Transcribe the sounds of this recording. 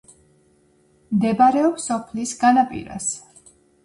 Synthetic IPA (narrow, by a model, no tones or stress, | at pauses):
md̪ɛbaɾɛɔpsɔpʰlisɡanapʼḭɾa̰s